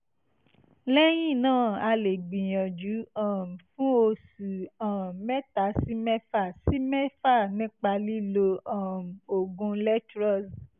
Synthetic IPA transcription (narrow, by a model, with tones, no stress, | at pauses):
lɛ˦j̃ĩ˦˨nãː˦˨a˧le˨ɡ͡bĩ˨j̃ɔ̃˨d͡ʒu˨˦ã˦˨m̩˨fũ˦o˧su˨ã˨mɛ˦ta˨˦si˦mɛ˦fa˦˨si˦mɛ˦fa˦˨nĩ˦k͡pa˧li˦lo˧ã˨m̩˨o˨ɡũ˧lɛ˦tɾɔ˦˨s